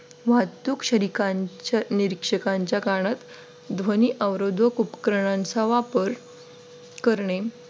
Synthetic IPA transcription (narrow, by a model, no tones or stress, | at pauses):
ʋat̪ukɕəɾikaɲt͡ɕaniɾikʂəkaɲt͡ɕjakaɽ̃at̪ | d̪ʱʋəniʔəʋɾod̪ʱʋəkupkɾəɳ̃ãnt͡saʋapəɾ | kəɾɳe